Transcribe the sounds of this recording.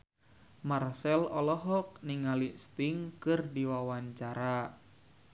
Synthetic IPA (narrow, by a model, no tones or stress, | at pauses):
marsɛlɔlɔɦɔk̚niŋalist̪iŋkɨrdiwawaɲt͡ʃaɾa